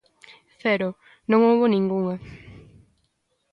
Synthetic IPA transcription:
θɛɾo | nõŋowβonĩŋɡuŋɐ

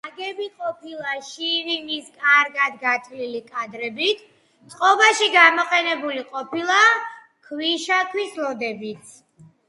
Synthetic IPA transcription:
aɡɛbiqʼɔpʰilˠaʃiɾimiskʼaɾɡad̪ɡat̪ʰlilikʼad̪ɾɛbit̪ʰ | t̪sʼqʼɔbaʃiɡamɔqʼɛnɛbuliqʼɔpʰilˠa | kʰwiʃakʰwislɔd̪ɛbit̪ʰ

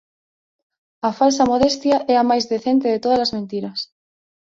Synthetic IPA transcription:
ɐfalsamoðest̪jaʔɛamajzðeθent̪eðet̪oð̞ɐlazmẽnt̪iɾɐs

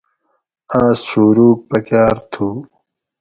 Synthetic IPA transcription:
aːsɕuːɾuːk̚pɐkaːɾt̪ʰu

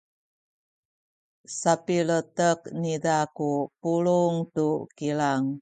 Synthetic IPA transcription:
sapilətəknidakupuluŋtukilaŋ

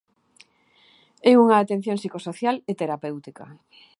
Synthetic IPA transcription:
euŋaːt̪en̟θjoŋsikosoθjalet̪eɾapewt̪ikɐ̰

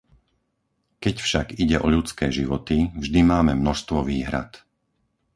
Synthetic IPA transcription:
kɛcfʃaɡiɟɛʔɔʎut͡skɛːʒiʋɔt̪ivʒd̪imaːmɛmnɔʃst̪ʋɔʋiːɦɾa̰t̪

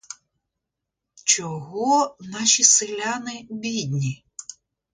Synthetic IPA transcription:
t͡ʃɔɦɔnɑʃʲisɪlʲanɪbʲid̪ʲnʲi

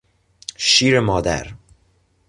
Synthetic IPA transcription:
ʃiːɾemɒːd̪æ̰ɾ

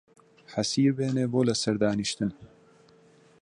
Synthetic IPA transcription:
ħɐsiːɾbeːneːboːlɐsɐɾd̪aːniʃt̪ɨn

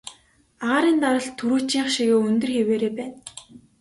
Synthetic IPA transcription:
aaːɾiːnt̪aɾə̆ɮt̪ʰːuɾuːt͡ɕiːɴχʃiɣeːɵnt̪ɵ̆rxeweːɾeːpæːn

